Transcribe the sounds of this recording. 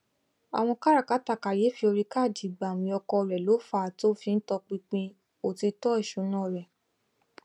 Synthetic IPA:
a̰˨w̃ɔ̃˧ka˦ɾa˦˨ka˨˦ta˦˨ka˨je˨˦fi˧o˧ɾi˧ka˦˨di˨ɡ͡ba˨w̃ĩ˨˧ɔ˧kɔ˧˨ɾɛ˨lo˨˦fa˦˨to˦fĩ˧n̩˦tɔ˧k͡pĩ˧k͡pĩ˧ | o˨ti˧tɔ˦i˦˨ʃu˨˦nã˦˨ɾɛ˨

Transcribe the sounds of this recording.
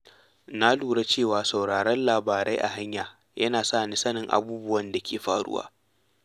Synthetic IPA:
na˦luː˨ɽa˦t͡ʃeː˦˨waː˨sa˨wɽaː˨ɾɐ˦nlaː˨baː˨ɾa˦jʔa̰˨ɦa˦ɲjaː˨ | jʔɐ˦naː˨saː˦˨ni˦sɐ˦nɪ˨ŋʔa̰˨buː˦bʊ˦wɐ˨nda˨kʲʰeː˨ɸaː˨ɽʊ̰˦wa̰ː˦

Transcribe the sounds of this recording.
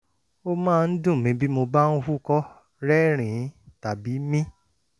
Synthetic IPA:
o˦mãː˦˧n̩˦dũ˦˨mĩ˧˦bi˦mo˧ba˦n̩˦hu˦kɔ˦ | ɾɛ˦ɾ̃ĩ˨˦ta˨bi˨˦mĩ˦

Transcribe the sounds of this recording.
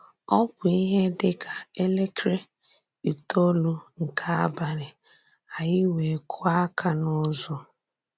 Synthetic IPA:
ɔ˦pʊ˨i˦ɦe˦dɪ˦ka˨e˦le˦kɾe˦ | i˨to˦lu˦ŋ̩˨kʰa˦a˦ba˨ɾɪ˨ | a˨jɪ˦we˨kʰʊ˦a˦kʰa˨nʊ˦zɔ˦

